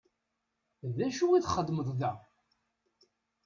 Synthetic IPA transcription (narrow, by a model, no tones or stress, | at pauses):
ðæʃuiθχəd̪ːməðˤðæ